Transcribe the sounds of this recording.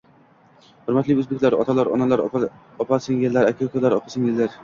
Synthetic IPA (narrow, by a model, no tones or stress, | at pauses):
hʊɾmat̪lɪɵzbekʲlaɾɒ̰t̪ʰalaɾɒ̰nalaɾ | ɒpʰasɪŋjelːaɾakʲʰakʰolaɾɒpʰḁsɪŋjelːaɾ